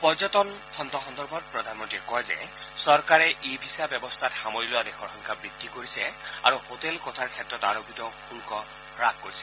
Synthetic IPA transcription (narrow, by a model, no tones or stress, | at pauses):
pɔzɔtɔnxʰɔnd̪ɔxɔnd̪ɔɹbʱɔt̚pɹɔd̪ʱanmɔntɹiɛkɔjzɛ̰sɔɹkaɹɛʔebʱisabɛbɔstʰatxamoɹilʊad̪exʰɔɹxɔŋkʰabɹid̪ʱːikoɹisɛa̰ɹuhotɛlkɔtʰaɹkʰɛtɹɔtaɹoɡitɔkʰulkɔ | ɹaɡ̚koɹisɛ